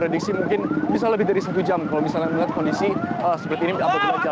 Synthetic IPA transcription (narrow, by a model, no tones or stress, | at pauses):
pɾediksimuŋkɪnmis̬alːəbɪhdaɾisat̪ud͡ʒamkalomisalɲaməŋat̪̚kɔndisiəsəpərt̪iːnidapakiad͡ʒa